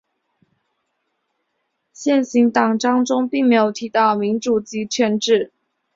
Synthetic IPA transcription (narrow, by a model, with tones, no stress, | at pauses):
ɕjɛ˥˩nɕi˧˥ŋt̪ɑ˨˩ŋʈ͡ʂɑ˥ŋʈ͡ʂʊ˥ŋpi˥˩ŋme˧˥ɪjo˨˩ʊt̪ʰi˧˥t̪ɑ˥˩ʊmi˧˥nʈ͡ʂu˨˩t͡ɕi˧˥t͡ɕʰɥɛ˧nʈ͡ʂɻ̩˥˩